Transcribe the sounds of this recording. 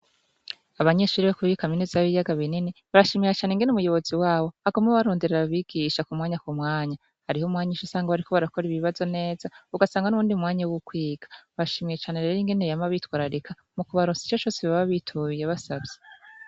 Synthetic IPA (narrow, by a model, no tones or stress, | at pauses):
aβaɲe̞ʃuːɾiβakuβiikaminizaβijaɡaβininiβaɾaʃiːmijat͡ʃaːneŋɡe̞numujo̞βo̞ziwaːβo̞aɡomŋeβaɾo̞ːndeɾeɾaβiːɡ̥iʃakumŋaːɲakumŋaːɲa | haɾihomŋaːɲiʃusaːŋɡaβaɾikʰoβaɾako̞ɾiβiβazo̞ne̞ːz̥auɡasaːŋɡanuβuːndiumŋaːɲawukwiːɡ̥ḁβaɾaʃiːmijet͡ʃaːneɾeeɾiŋɡe̞nejamaβitwaːɾaɾekʰa | mukuβaɾoːnsi̥t͡ʃat͡ʃo̞ːseβaβaβitʰujeβasabɟe